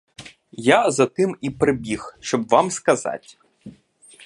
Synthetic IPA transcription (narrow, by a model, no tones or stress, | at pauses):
jazɐt̪ɪmipɾɪbʲixʃt͡ʃɔbʋamskɐza̰tʲ